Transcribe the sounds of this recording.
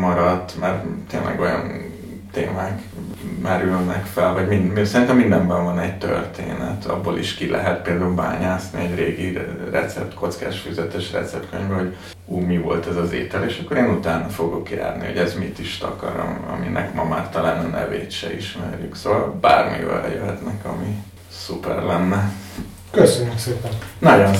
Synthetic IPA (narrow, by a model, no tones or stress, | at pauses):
mɒɾɒt̪ːmɛrt̪eːnlʔɛ̰ɡo̞jɒn | t̪eːmaːkmɛɾylnɛkfɛlvɒɟminmisɛɾint̪ɛmːind̪ɛmbɛɱvɒnɛɟt̪ørt̪eːnɛt̪ʰɒ̰bːoliʃkilʔɛɦɛt̪̚peːld̪aːulbaːɲaːsniɛɟreːɡirɛ̰t̪sɛp̚t̪kʰo̞t̪ska̰ːʃfyzɛt̪ɛʃrɛ̰t̪sɛp̚t̪køɲvɛɦo̞ɟ | uːmivo̞lt̪ɛzɒzeːt̪ɛleːʃɒkːo̞ɾeːnut̪aːnɒfo̞ɡo̞kja̰ːrniɦo̞ɟɛzmit̪iʃt̪ɒkɒɾo̰mɒ̰minʔɛkmɒmaːrt̪ɒlaːnɒnʔɛ̰veːt̪ʃɛiʃmɛrjyksoːvɒlbaːrmḭvɛ̰ljøɦɛt̪nɛkɒmi | supɛrlɛnːɛ | køsøɲːykseːpɛnnɒɟon